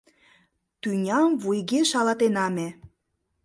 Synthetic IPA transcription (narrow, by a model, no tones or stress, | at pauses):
t̪ynʲɑmvujɣeʃɑlɑt̪enɑme